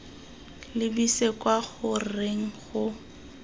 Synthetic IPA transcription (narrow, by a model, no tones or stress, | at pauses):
lɪbisekʼwaɣʊreŋ̩χʊ